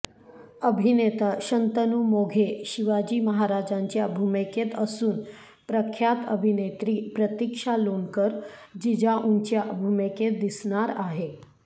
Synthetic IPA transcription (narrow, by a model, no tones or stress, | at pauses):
əbʱinet̪əɕənt̪ənumoɡʱeɕiʋad͡ʑiːməɦaɾad͡ʑaɲt͡ɕjabʱumeket̪əsuːn | pɾəkʰːjat̪əbʱinet̪ɾiːpɾət̪ikʂalonkəɾd͡ʑid͡ʑaʔuɲt͡ɕjabʱumeket̪̚d̪isɳaɾaɦe